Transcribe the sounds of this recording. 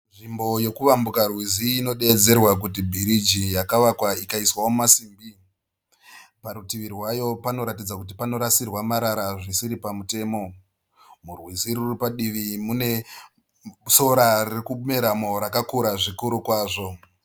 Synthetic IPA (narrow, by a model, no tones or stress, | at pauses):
nʐimbo̞je̞kuʋambukarwiziːno̞ɗe̞d͡ze̞rwak̬ut̬ibʱiɾid͡ʒijakaʋakwaikaiswawomasiːmbi | paɾutiʋirwajo̞pano̞ɾatid͡zakut̬ipano̞ɾasirwamaɾaɾaʐisiɾipamute̞ːmo̞ | murwiziɾuripaɗiʋimune̞ | so̞ɾarikuume̞ɾamo̞ɾakakuɾaʐikuɾukwaːʐo̞